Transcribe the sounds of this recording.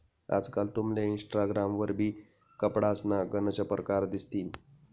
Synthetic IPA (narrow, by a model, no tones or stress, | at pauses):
a̰d͡zkalt̪umleinsʈaɡɾamʋəɾbʱiː | kəpɽasnaɡənət͡ɕəpɾəkaɾd̪ist̪iːn